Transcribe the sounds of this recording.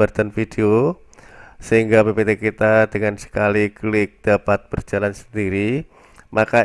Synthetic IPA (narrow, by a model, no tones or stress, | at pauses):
ərt̪anfid̥eo | səɦiŋɡabebet̪ekit̪ad̥əŋansə̥kaliklɪk̚d̥apat̪̚b̥ərd͡ʒalansə̥ndiɾi | maka